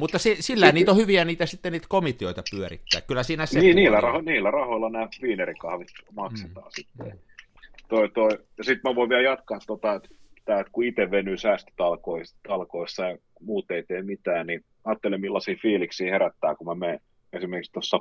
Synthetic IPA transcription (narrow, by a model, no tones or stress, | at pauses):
mut̪ːɑsesilːæænniːt̪ohyʋiæniːt̪æsit̪ːeniːt̪komit̪ioit̪ɑpyørḭt̪ːæ̰ːkkylːˑæsiːnæsneiːniːlːærɑhoniːlːærɑhoilːɑnæːʋiːnerikɑhʋit̪mɑkset̪ɑ̰ːsit̪ːḛ | t̪oit̪oijɑsit̪mæʋoˑiʋiæljɑt̪kɑːt̪tot̪ɑet̪t̪æːet̪kuit̪eʋʋenyːsæːst̪y̥t̪ɑlkoist̪ɑlkoisːɑjɑ | muːt̪eit̪eːmit̪æːnni | ɑːt̪ːelemmilːɑsiːfiːliksiːheɾæt̪ːæːkumæmeː | esimerkikst̪osːɑ